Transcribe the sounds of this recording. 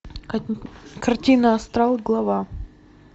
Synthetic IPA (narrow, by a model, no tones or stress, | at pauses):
kɐrtʲinəɐst̪ɾalˠɡlˠɐva